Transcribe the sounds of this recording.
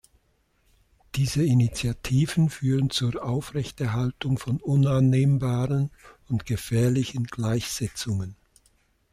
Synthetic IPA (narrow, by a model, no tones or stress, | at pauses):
d̥iːzəinit͡sjatʰiːvənfyːʁənt͡suːɐʔaʊfʁɛçtɛɐɦaltʊŋfɔnʊnanːeːmbaːʁənʊntɡ̥əfɛːɐlɪçənɡ̥laɪçz̥ɛt͡sʊŋən